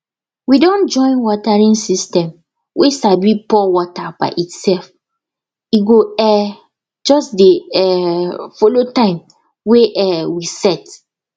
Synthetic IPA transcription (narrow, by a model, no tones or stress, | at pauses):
widɔ̃nd͡ʒɔ̃ɪ̃nwɔtaɹĩnsistɛ̃m | wʔesabipɔwɔtaba̰ɪʔitsɛlf | iɡoɛ | d͡ʒɔsdeɛfolotãɪ̃m | weʔɛwisɛt